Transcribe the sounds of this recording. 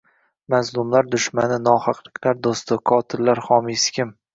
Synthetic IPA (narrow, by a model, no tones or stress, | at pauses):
mazlˠʊmlaɾd̪ʊʃmanɪnɒhɑqlˠɪkʲlaɾd̪ost̪ɪkʰɒt̪ʰɪlːaɾhɒmɪskʲɪm